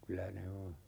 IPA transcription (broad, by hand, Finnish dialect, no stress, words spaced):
kylæ ne o